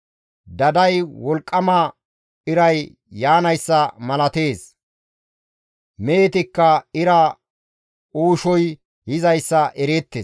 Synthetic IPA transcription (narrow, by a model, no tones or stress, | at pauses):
d̪ɐd̪ɐjwɔlkʼːɐmɐ | ɪɾɐjː | aːnɐjsːɐmɐlɐt̪eːs | meːt̪ɪkːɐɪɾɐ | uːʃɔj | hɪzɐjsːɐʔɛɾeːt̪ːes